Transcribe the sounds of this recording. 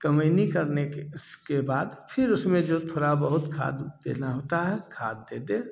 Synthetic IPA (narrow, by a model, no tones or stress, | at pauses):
kəməɪnikɐɾnekskebaːd̪pʰɪɾʊsmẽd͡ʒoːt̪ʰoːɾabəɦʊt̪kʰa̰ːd̪d̪ḛːnaɦoːt̪aɦɛkʰaːd̪ːeːd̪eː